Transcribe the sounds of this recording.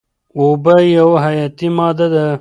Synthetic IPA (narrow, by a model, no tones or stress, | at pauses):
obajɐwɦajɑːt̪imɑːd̪ad̪a